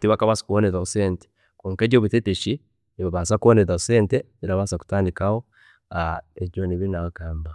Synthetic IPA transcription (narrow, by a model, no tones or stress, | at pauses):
tiβakaβasḁkuβoneðaosente̥ | koːŋkeɟoβiteteʃi | eβaβaːnsakuoneðaoseːnte | iɾaβasaku̥taːndikaho | aed͡ʒoniβinaokaːmba